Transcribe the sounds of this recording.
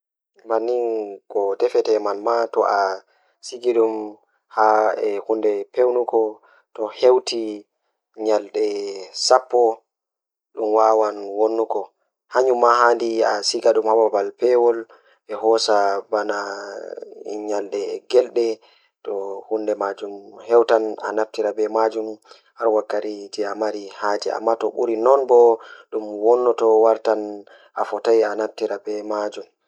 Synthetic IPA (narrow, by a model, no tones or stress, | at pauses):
manːinkɔtɛfɛtɛmalmatɔʔa | siɡiɗum | haɛhundɛpewnukɔ | tɔhewtʰi | ɲalɗɛsapːɔ | ɗumwawanwonːukɔ | haɲumːahandiasiɡaɗumhababalpɛwɔl | ɛhɔsabana | ḭɲaldɛɡɛlɗɛ | tɔhundɛmad͡ʒumhɛwtana̰naftiɾabɛmad͡ʒum | haɾwakːaɾid͡ʒɛamaɾihad͡ʒɛ̰a̰mːatɔɓṵɾinɔnbɔɗumwɔnːɔtɔwaɾtan | ʔafɔtajanaf̚tiɾabɛmad͡ʒum